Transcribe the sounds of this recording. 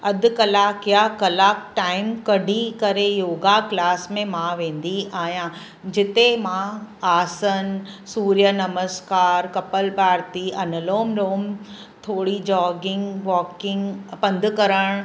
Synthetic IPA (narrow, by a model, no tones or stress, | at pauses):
ɐd̪ʊ̆kɐlaːkjakɐlaːkʈaːɪmkɐɖʱikɐɾejoːɡaklaːsmẽmãʋẽːn̆d̪iaːɦjã | d͡ʑɪt̪emãaːsənsuːɾjənɐməskaːɾkɐpəlbʱaːɾt̪iɐnəloːmɾoːm | t̪ʰoːɽid͡ʑɔːɡɪ̃ŋɡʋɔːkɪ̃ŋɡpɐ̃nd̪ʱʊkɐɾəɽ̃